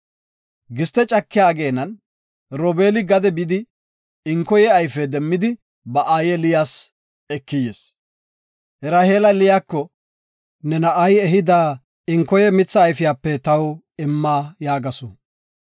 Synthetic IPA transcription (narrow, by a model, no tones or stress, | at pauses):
ɡɪst̪ɛt͡ʃʼɐkːɪjaːɡeːnɐn | ɾɔbe̞ːlɪɡɐd̪ɛbɪd̪ɪ | ɪŋkɔjɛɐjfɛd̪ɛmːɪd̪ɪ | bɐʔaːjɛlɪjaːs | ɛkːɪjeːs | hɛɾaːheːlɐlɪjaːkːɔ | nɛnɐʔɐjɛɦɪd̪aː | ɪŋkːɔjɛmɪt͡sːɐːjfɪjaːpːɛt̪ɐw | ɪmːaːjaːɡɐsɔ